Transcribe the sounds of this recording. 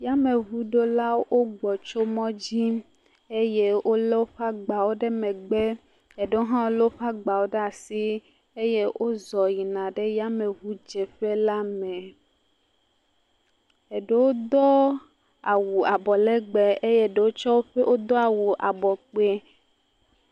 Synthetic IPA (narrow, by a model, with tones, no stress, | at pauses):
ja˦me˨βu˦ɖo˦la˦wo˦ɡ͡bɔ˨t͡ʃo˦mɔ̃˦d͡ʑi˦ | e˦je˦wo˦le˦wo˦ɸa˦ɡ͡ba˨wo˦ɖe˦mẽ˨ɡ͡be˦ | e˨ɖe˦wo˦ɦã˦wo˦le˦o˦ɸa˦ɡ͡ba˨wo˦ɖe˦a˨si˦ | e˦je˦ʔo˦zɔ˨ji˨nã˨ɖe˦ja˦me˨βu˦d͡ʒe˨ɸe˦la˦mẽ˨ | e˨ɖe˦wo˦d̪ɔ˦ | a˨wu˨a˨bɔ˨le˦ɡ͡be˨e˦je˦˨ɖe˨wo˦t͡ʃɔ˦wo˦ɸe˦ʔo˦d̪ɔ˦a˨wu˨ʔa˨bɔ˨k͡pe˦